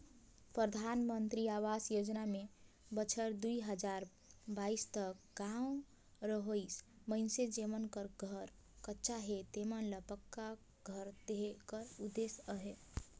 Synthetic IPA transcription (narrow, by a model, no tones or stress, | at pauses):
pɾəd̪ʱanmənt̪ɾiaʋasjod͡ʒname | bət͡ʃʰəɾd̪uiɦəd͡ʒaɾ | baist̪əkɡãw | ɾəɦois | məɪnsed͡ʒemənkəɾɡʱəɾ | kətːʃaɦet̪emənləpəkːa | ɡʱəɾd̪eɦkəɾud̪esəɦe